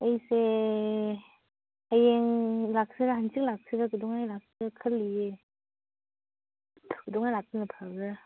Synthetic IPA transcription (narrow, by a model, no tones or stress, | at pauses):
əjse | ajeŋlak̚sɯɡahansʰik̚lak̚sɯɡɯɡɯdɔŋajlak̚sɯkʰɯlːie | ɡɯdɔŋajlak̚tɯnɯpʰaɡɯ